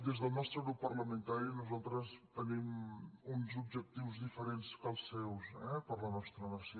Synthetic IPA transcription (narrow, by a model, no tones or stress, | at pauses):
d̪ezðəlˠnɔst̪ɾəɣɾupːərləmə̃nt̪aɾinuzalˠt̪ɾəst̪ənimunzubʒək̚t̪iwzðifəɾenskəlˠsːɛwsɛpəɾlənɔst̪ɾənəɾsi